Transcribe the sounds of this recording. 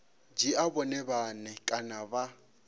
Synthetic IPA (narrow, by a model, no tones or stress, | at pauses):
d͡ʒiabɔnɛbanɛkʼanaba